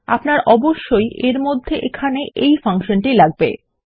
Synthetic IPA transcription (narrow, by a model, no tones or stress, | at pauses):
a̰pnaɾʔɔboʃːojʔeɾmod̪ʱːeʔekʰaneʔejfaŋʃonʈilaɡ̚bḛ